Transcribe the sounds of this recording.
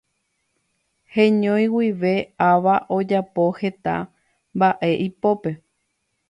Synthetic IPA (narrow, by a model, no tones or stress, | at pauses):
hẽɲõj̃wiʋe̞aʋaʔo̞d͡ʒapo̞he̞t̪a̰ | mbaʔe̞ʔipo̞pe̞